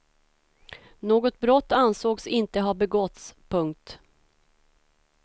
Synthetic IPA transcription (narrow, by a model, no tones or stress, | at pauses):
noːɡɔt̪̚bɾɔt̪ːansoːɡsɪnt̪əɦabɛɡɔt̪spʰɵŋk̚t̪